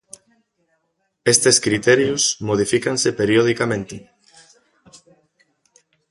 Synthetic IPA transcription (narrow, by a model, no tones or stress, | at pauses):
est̪eskɾit̪ɛɾjusmoð̞ifikansepeɾjoð̞ikamẽnt̪ɪ